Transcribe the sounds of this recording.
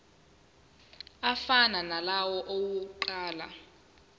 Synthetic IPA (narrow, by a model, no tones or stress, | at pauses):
afananalawɔʔowuǃaːla̰